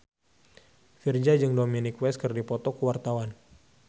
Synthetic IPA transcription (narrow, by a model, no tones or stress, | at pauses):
fird͡ʒad͡ʒɨŋdominikwɛs̚kɨrdipɔt̪ɔkuwart̪awan